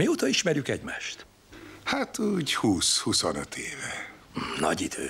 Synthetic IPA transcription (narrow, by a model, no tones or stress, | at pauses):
mioːt̪ɒiʃmɛɾjykɛɟmaːʃt̪ | hat̪uːɟhuːshusonøt̪ʰeːvɛ | nɒ̰ɟid̪ø̰ː